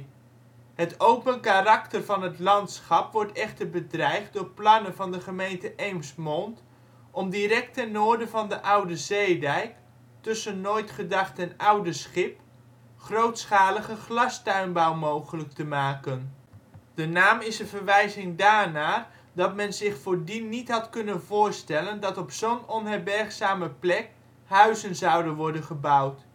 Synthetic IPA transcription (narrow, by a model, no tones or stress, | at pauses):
ɦətowpənkarɑktərvɑnɦətlɑntsχɑpʋɔɹtɛχtəɹbədrɛjχ̚dʊːɹplɑnənvɑndəχəmejntəʔejmsmɔnt | ɔmdiɾɛk̚tɛnːʊːɹdəvɑndəʔʌwdəzejdɛjk | tɵsənːojtχədɑχtɛnʌwdəsχɪp | χrowtsχaːləχəχlɑstœɥnbʌwmowχələk̚təmaːkən | d̥ənaːmɪsənvəɹʋɛjzɪŋdaːɹnaːr | dɑtmɛnzɪχfʊːɹdinːitɦɑtkɵnənvʊːɹstɛləndɑtɔpsownɔnɦɛɹbɛrχsaːməplɛk̚ | ɦœɥzənzʌwdənʋɔɹdənχəbʌwt